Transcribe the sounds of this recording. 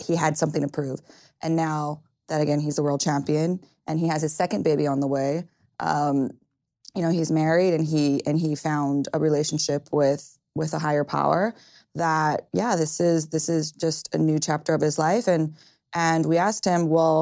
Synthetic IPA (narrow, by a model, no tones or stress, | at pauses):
hiɨd̥sʌ̃mθɪ̃ŋtɨpʰɹ̥ʉv̥ | ʔɨ̃nːaʊ | ðɨɾɨɡɛ̃nizəwɜ˞lˠd̚t͡ʃʰæ̃mpiɨ̃n | ʔɨ̃niɨz̥ɨz̥sɛkɨ̃nbeɪbiə̃nðəweɪ | ʔʌ̰̃m | jɨnoʊizmɛɹiɾɨ̃niɨ̃nifãʊ̃ndəɹileɪʃn̩ʃɪpʰwɪð̥ | wɪðəɦaɪə˞pʰa̰ʊə̰˞ | ðət̚jæðɪsɪzðɪsɪzd͡ʒʌstʰɨ̰nʉt͡ʃʰæp̚tə˞ʌv̥ɨzlaɪfɨ̃n | ʔɨ̃nwiæst̚hɪ̃mwɛlˠ